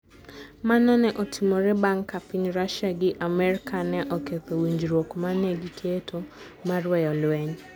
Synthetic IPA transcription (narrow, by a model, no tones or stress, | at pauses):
manɔnɛʔɔtʰimoɾebaŋkapiɲɾaʃaɡɪʔamɛɾɪkʰanɛʔɔket̪owiɲd͡ʒɾwokmanɛɡikʰetʰo | maɾwɛjɔlwɛɲ